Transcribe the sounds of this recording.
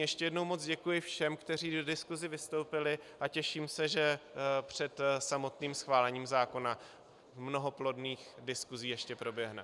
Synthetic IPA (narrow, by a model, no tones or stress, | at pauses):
jɛʃcɛjɛdno̞wmot͡sɟɛkujɪfʃɛmkt̪ɛr̝iːdodɪskuzɪvɪst̪o̞wpɪlɪʔacɛʃiːmsɛʒɛpr̝̥ɛt̪samo̞t̪niːmsxvaːlɛɲiːmzaːko̞na | mno̞ɦo̞plo̞dniːxdɪskuziːjɛʃcɛpɾo̞bjɛɦnɛ̰